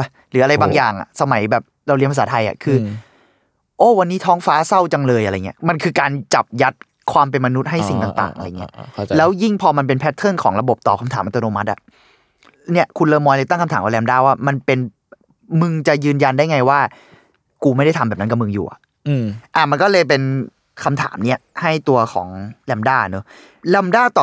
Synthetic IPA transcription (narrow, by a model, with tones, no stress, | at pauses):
a˧˩ | ɾɯː˩˦ʔa˧ɾa˧jbaː˧ŋjaː˨˩ŋʔa̰˨˩sa˧ma˩˦jbɛː˨˩p̚la˧˩wli˦˥npʰa˧saː˩˦t̪ʰa˧jʔa̰˨˩kʰɯː˧ | ʔoː˧˥˩wa˧nːiː˦˥t̪ʰɔː˦˥ŋfaː˦˥sa˥˩wt͡ɕa˧ŋlɤː˧jʔa˧ɾa˧˨˩ŋi˦ɐma˧nkʰɯː˧kaː˧nt͡ɕa˨˩p̚ja˦˥t̪̚ | kʰwaː˧mp̬e˧nma˧nu˦˥t̪̚ɦa˥˩jsi˨˩ŋt̪a˨˩ŋt̪a̰ː˨˩ŋʔa̰˧ɾa˧jŋi˦˥lɛː˦˥wji˥˩ŋpʰɔː˧ma˧npe˧npʰɛ˦˥t̪ʰːɤ˥˩nkʰɔː˩˦ŋɾa˧bo˨˩p̚t̪ɔː˨˩pkʰa˧mt̪ʰaː˩˦mʔt̪oː˧noː˧ma˦˥t̪̚ʔa̰˨˩ | ni˥˩ɐkʰu˧nlɤː˧mɔː˧jla˧t̪a˥˩ŋkʰa˧mt̪ʰaː˩˦ka˧˩lɛː˧mdaː˥˩waː˥˩ma˧npe˧n | mɯ˧ŋt͡ɕa˨˩jɯː˧nja˧nda˥˩jŋa˧jwaː˥˩ | kuː˧ma˥˩jda˥˩jt̪ʰmbɛː˨˩na˦˥nka˨˩mɯ˧ŋjṵː˨˩ʔa̰˩ʔ | ʔa˨˩ma˧nkɔ˥˩lɤː˧jp̬e˧n | kʰa˧mt̪ʰa̰ː˩˦mni˦˥˩ɐha˥˩jt̪u˧ɐkʰɔ̰ː˩˦ŋlɛː˧mdaː˥˩no˨˦ | lɛ˧mdaː˥˩t̪ɔː˨˩